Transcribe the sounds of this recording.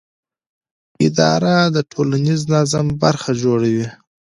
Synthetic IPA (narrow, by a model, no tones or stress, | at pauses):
ɪd̪ɑ̰ɾad̪əʈʰolaniznazambaɾxad͡ʒoɽawi